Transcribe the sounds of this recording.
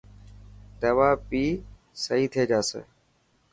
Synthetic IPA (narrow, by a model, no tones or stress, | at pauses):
d̪əʋaːpiː | səɦiːt̪ʰeːd͡ʒaːsḛː